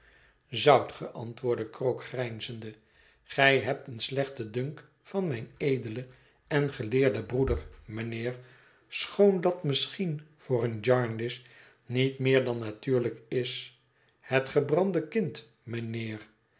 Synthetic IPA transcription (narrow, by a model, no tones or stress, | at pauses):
zɑwtχəʔɑ̰ntʋʊːɹdəkrowkχrɛjnzəndə | χɛjɦɛp̚tənslɛχtədɵŋk | fɑnmɛjnejdələ | ɛnχəlɪːɹdəbrudəɹmənɪːɹ | sχowndɑtmɪsχinv̥ʊːrənd͡ʒɑɹndɪs | nitmɪːɹdɑnːatyːɹləkɪs | hɛtχəbrɑndəkɪnt | mənɪːr